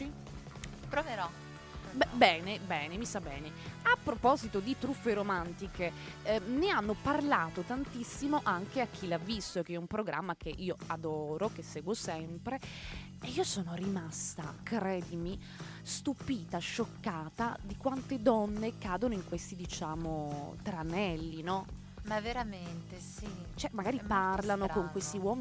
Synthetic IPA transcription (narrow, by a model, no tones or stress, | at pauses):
pɾoveɾɔ | bɛbɛːnebɛːnemisabɛːneapːɾopɔzit̪od̪it̪ɾufːeɾomant̪ikeneanːoparlaːt̪ot̪ant̪isːimoʔaŋk̟eak̟ʰːilavːist̪oekːɛumpɾoɡɾʔa̰mːakeʔiːoad̪ɔːɾokesːɛːɡwosɛmpɾe | eiːosoːnorimast̪a̰kɾɛːd̪imi | st̪upiːt̪aʃːokːaːt̪ad̪ikwant̪ed̪ɔnːekaːd̪onoiŋkwest̪id̪it͡ʃaːmot̪ɾanɛlːinɔ | maveɾament̪esi | t͡ʃɛmaɡaːɾipparlanokoŋkwest̪iwɔːm